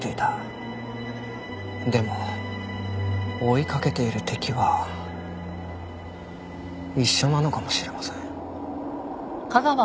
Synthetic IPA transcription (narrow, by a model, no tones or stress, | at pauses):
t̪eit̪a | d̪e̞mo̞ | oikake̞t̪e̞iɾɯ̟t̪ʰe̞kʲiβa | iɕːo̞nano̞kamo̞ɕiɾe̞masẽŋ | kaɡaβa